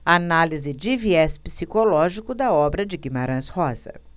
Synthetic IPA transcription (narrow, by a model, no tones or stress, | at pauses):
analizɪd͡ʒɪviɛspi̥sikolɔʒikʊd̪ɐɔbɾɐd͡ʒɪɡimaɾɐ̃shɔzɐ̰